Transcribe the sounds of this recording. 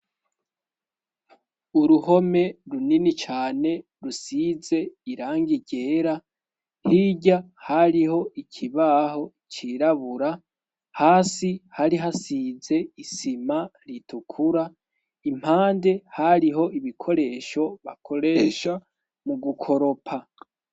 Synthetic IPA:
uɾuho̞me̞ɾuninit͡ʃaːne̞ | ɾusize̞iɾaːŋɡiɟe̞ːɾa | hiːɟa | haɾiɦo̞ʔicʰiβaho̞it͡ʃiːɾaβuɾa | haːsihaɾiɦasize̞isimaɾitʰukʰuɾa | im̥haːnde̞haɾiɦo̞ʔiβikʰo̞ɾe̞ːʃo̞βakʰo̞ɾeʃa | muɡukʰo̞ɾo̞pʰa

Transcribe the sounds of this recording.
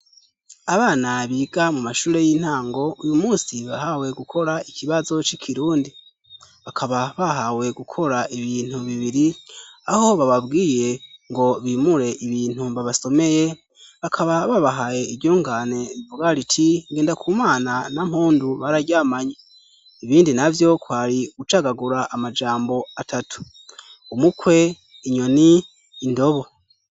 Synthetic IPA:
aβaːnaβiːɡamumaʃuːɾe̞jin̥haːŋɡo̞ujumuːsiβahawe̞ɡukʰo̞ɾaikʰiβazo̞t͡ʃikʰiɾuːndi | βakʰaβaβaɦawe̞ɡukʰo̞ɾaʔiβiːn̥huβiβiɾiaho̞βaβabɡiːje̞ŋɡo̞βimuɾe̞ʔiβiːn̥huβaβaso̞me̞je̞ | βakʰaβaβaβaɦaje̞iɟuːŋɡane̞oɡaɾitʰiŋɡe̞ːndakʰuːmaːnanam̥huːnduβaɾaɟaːmaɲe | iβiːndinavjo̞kwaɾiɡ̥ut͡ʃaɡaɡuɾaʔamad͡ʒaːmbo̞atʰatu̥ | umukwe̞ | iɲo̞niː | ndo̞βo̞

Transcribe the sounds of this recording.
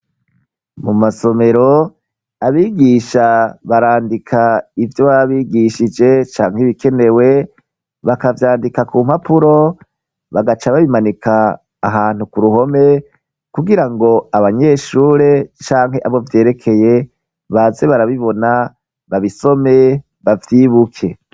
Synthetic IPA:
mumaso̞me̞ɾo̞ | aβiːɡiːʃaβaɾaːndikʰaivjoβaβaβiːɡiʃid͡ʒe̞t͡ʃaːŋ̥hiβikʰe̞ne̞we̞ | βakavjaːndikakuːm̥hapuɾo̞ | βaɡat͡ʃaβaβimanikʰaː | ɦaːn̥ukuɾuho̞me | kuɡiɾaŋɡo̞aβaɲe̞ʃuːɾe̞t͡ʃaːŋ̥ɦe̞ʔaβo̞vje̞ːɾe̞kʰe̞je̞ | βaze̞βaɾaβiβo̞na | βaβiso̞me̞ | βavjiːβukʰe̞

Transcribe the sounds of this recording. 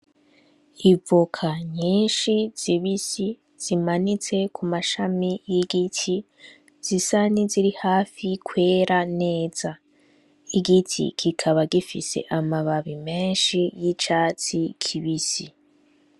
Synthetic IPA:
ivukʰaɲiːnʃiz̥iβisi | z̥imanit͡se̞kʰumaʃamijiɡitʰi | z̥isaniziɾihaːfikʰwe̞ːɾane̞ːz̥a | iɡitʰḭkʰikʰaβaɡifḭse̞̰ʔamaβaβime̞ːnʃijit͡ʃaːt͡sikʰiβisi

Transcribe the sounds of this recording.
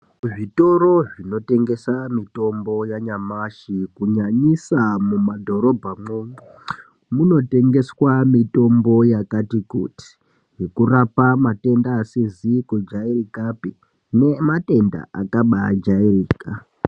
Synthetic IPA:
ʐito̞ɾo̞ʐino̞te̞ŋɡe̞samito̞mbo̞jaɲamaʃikuɲaɲisamumadʱo̞ɾo̞bʱamoŋɡu | muno̞te̞ŋɡe̞swamito̞mbo̞jakatikṵti̥ | ɦekurapamate̞ndaːsizikud͡ʒairikapi | ne̞mate̞nda̰a̰kaɓa̰d͡ʒairiːka

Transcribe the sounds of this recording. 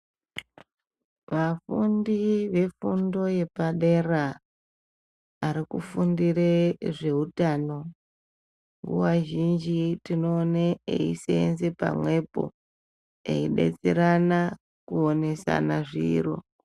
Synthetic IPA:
ʋafundiʋe̞fundo̞je̞paɗera | aɾikufundiɾeʐe̞utano̞ | ŋɡṵwaʒind͡ʒitino̞ːneḛḭsenze̞pa̰mwe̞po̞̰ | ḛiɗe̞̰t͡seɾana | kuone̞sa̰naʐiro̞̰

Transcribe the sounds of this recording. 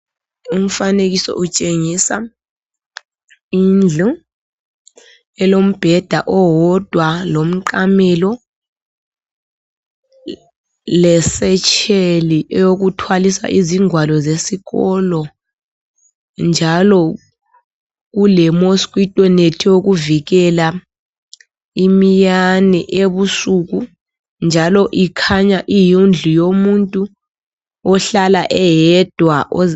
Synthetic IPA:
um̩faneɣ̬isɔ̰ʔut͡ʃʼeŋisa | ind͡ɮʱi | ɛlom̩b̥ʱɛd̥ʱaʔɔwɔd̥ʱwalom̩ǃamɛlɔ | lɛsɛt͡ʃʰeliʔɛjoɣ̬utʰwalisa̰ʔiziŋwalɔzesiɣɔlɔ | nd͡ʒʱalɔ | k̬ulɛmoskʼwitʼɔnetʰijok̬uviɣ̬ɛla | imijanɛʔeβusuku | nd͡ʒʱalɔʔikʰaɲaʔijund͡ɮʱujomuntʼu | ɔɬalaʔɛjɛd̥ʱwaʔɔ

